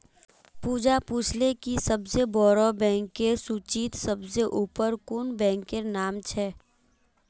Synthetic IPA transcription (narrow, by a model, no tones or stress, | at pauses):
puːd͡ʒapuːt͡ʃʰlekisəbsebɔːɾɔbɛ̃ːŋkːesuːt͡ʃiːt̪səbseʔuːpəɾkʊnbɛ̃ːŋkːenaːmt͡ʃʰɛː